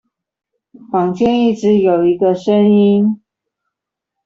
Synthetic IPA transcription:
fɑ˨˩ŋt͡ɕʰɥɛ˥ni˥˩ʈ͡ʂɻ̩˧˥jo˨˩ʊi˧˥ɡə˧ʂə˦˥ŋi˥n

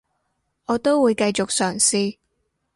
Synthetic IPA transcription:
ɔː˨˧t̪o˥wuː˨˧jkɐ˧jt͡ʃʊ˨k̚sœː˨˩ŋsiː˧

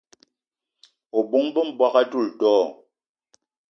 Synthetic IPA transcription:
o˨bu˦ŋbə˦m̩˨bwa˦ka˦tu˦˨ltɔː˦

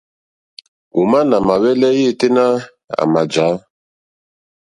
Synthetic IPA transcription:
u˨ma˦na˨ma˨wɛ˦lɛ˦je˦˨te˦na˦ | a̰˨ma˨d͡ʒa˨˦

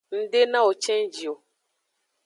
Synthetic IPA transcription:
n̩˦de˦nã˦o˨t͡ʃɛ̃˦n̩˦d͡ʒi˨o˨

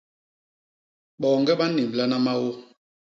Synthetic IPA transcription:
ɓɔː˨ŋɡɛ˦ɓa˦ni˨m˨la˦na˦ma˦wo˦

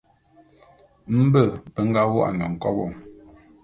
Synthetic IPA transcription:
m̩˦bə˦˨bə˦ŋ̩˦ɡa˦wʔa̰˨nə˨ŋ̩˨kɔ̰˦bɔ˦˨ŋ

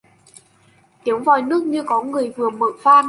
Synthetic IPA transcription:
t̪i˨˦əwŋ͡mvɔ˨˩jnɨ˦˥ək̚ɲɨ˧kɔ˨˦ŋɨ˨˩əjvɨ˨˩əmə̰ː˧˨faː˧n

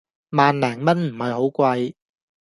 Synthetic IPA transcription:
maː˨nlɛː˨˩ŋmɐ˥nm̩˨˩hɐ˨˧jho˨˥wkʷɐ˧j

